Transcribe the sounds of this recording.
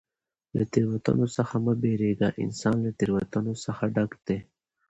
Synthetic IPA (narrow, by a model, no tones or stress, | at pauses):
la̰t̪iɾwat̪a̰nosəxaməbeɾeɡaʔɪ̰nsɑnlat̪iɾwat̪anosəxaɖakd̪e